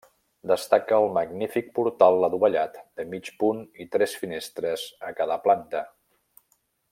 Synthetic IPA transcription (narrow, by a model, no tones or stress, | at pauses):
d̪əst̪akəːlˠməɡnifik̚puɾt̪alˠːəðuβəʎat̪d̪əmit͡ʃpunit̪ɾɛsfinest̪ɾəzəkaðəplant̪ə